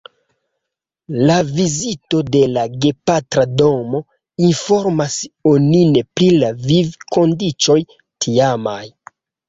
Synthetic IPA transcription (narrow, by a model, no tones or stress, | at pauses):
lavizito̞de̞laɡe̞patɾado̞mo̞ | info̞ɾmasonine̞pɾilavivko̞ndit͡ʃo̞j | tʰiamaj